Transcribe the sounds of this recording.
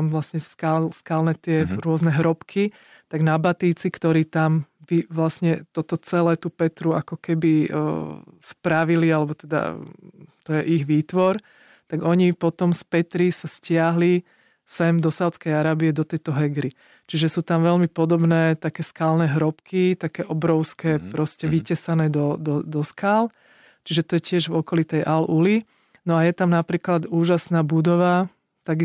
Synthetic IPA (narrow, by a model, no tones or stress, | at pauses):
amʋlasɲɛskaskalnɛt̪ɪɛɾʊɔznɛɦɾɔpkʰi | t̪aɡnabat̪iːt͡sikt̪ɔɾiːt̪amʋiʋlasɲɛt̪ɔt̪ɔt͡sɛlɛːt̪upɛt̪ɾuakɔkɛbḭ | spɾaʋilialɛbɔt̪ɛd̪a̰ | t̪ɔjɛʔiɣʋiːt̪ʋɔɾ | t̪aɡɔɲipɔt̪ɔmspɛt̪ɾisascɪaɦli | sɛmd̪ɔsaʊt͡skɛjaɾaːbiɛd̪ɔt̪ɛjt̪ɔɦɛɡɾi | t͡ʃiʒɛsuːt̪amʋɛlmipɔd̪ɔbnɛːt̪akɛːskaːlnɛɦɾɔpkit̪akɛːʔɔbɾɔʊskɛːpɾɔscɛʋicɛsanɛːd̪ɔd̪ɔd̪ɔskaːl | t͡ʃiʒɛt̪ɔjɛcɪɛʒvɔkɔlit̪ɛjʔaluli | nɔajɛt̪amnapɾiːklad̪uːʒasnaːbud̪ɔʋa | t̪aɡi